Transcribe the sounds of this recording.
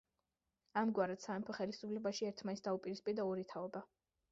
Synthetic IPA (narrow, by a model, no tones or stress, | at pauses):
amɡwaɾɛt̪saɛmpʰɔχɛlisupʰlɛbaʃiɛɾt̪ʰmanisd̪aupʼiɾispʼiɾd̪aɔɾit̪ʰaɔba